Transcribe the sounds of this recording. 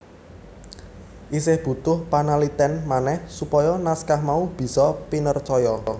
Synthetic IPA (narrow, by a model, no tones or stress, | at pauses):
ʔisɪhb̥ṳt̪ʊhpanalit̪ɛnmanɛhsupɔjɔnaskahmaub̥i̤sɔpinərt͡ʃɔjɔ